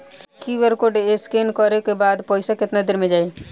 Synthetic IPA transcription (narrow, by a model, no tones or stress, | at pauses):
kiʋəɾkoɖeskenkəɾekebaːd̪pɔɪsakɪt̪nad̪ɪɾmẽd͡ʒaːe